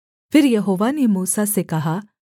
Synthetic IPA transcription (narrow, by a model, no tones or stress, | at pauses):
pʰɪɾjɐɦoːʋanemuːsasekɐɦaː